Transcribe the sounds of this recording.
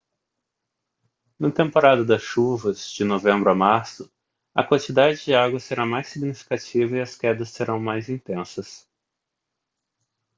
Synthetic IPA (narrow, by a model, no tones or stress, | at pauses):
nɐt̪ẽmpoɾad̪ɐd̪ɐsʃuvɐzd͡ʒɪnovẽmbɾʊamaɾsʊ | ɐ̰kwɐ̃t͡ʃid̪ad͡ʒɪd͡ʒɪaɡwɐseɾamajsiɡnifi̥kat͡ʃivɐiɐskɛd̪ɐsːeɾɐ̃w̃majzĩt̪ẽsɐs